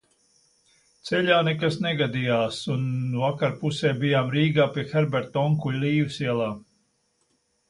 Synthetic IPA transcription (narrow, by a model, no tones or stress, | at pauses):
t̪sɛʎʲaːnɛkasnɛɡad̪ijaːsunvakaɾpusɛːbijaːmɾiːɡaːpiɛxɛɾbɛɾt̪ɔŋkulʲliːwɨsiɛlˠaː